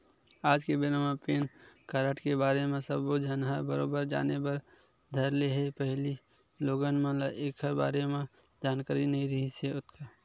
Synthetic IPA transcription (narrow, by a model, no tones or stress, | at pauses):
aːd͡ʒkebeɾəmãpeːnkaɾəʈkebaːɾemẽsəbod͡ʒʱənɦabəɾoːbəɾd͡ʒa̰ːnebəɾ | d̪ʱəɾleɦepəɦli | loːɡənmẽlaʔeːkɦəɾba̰ːɾemẽ | d͡ʒaːnkaːɾinɐɦĩɾɐɦiseʊt̪ka